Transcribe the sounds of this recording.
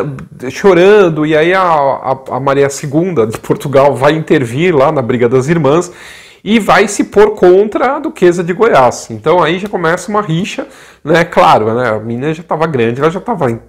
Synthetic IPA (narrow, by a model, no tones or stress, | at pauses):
ʃoɾɐ̃d̪ʊɪaiɐɐ̰ɐ̰maɾiɐsɪɡũnd̪ɐd͡ʒɪpʰoɾt̪uɡawvajĩnt̪eɾviɾlanɐbɾiɡɐd̪ɐziɾmɐ̃s | ɪvajsɪpoɾkõnt̪ɾɐːd̪ʊkʰezɐd͡ʒɪɡojasẽnt̪ɐ̃w̃aiʒakomɛsɐũmɐɦiʃɐ | nɛklaɾʊnɛɐ̰mĩnɐʒat̪avɐɡɾɐ̃d͡ʒɪɛlɐʒat̪avɐẽ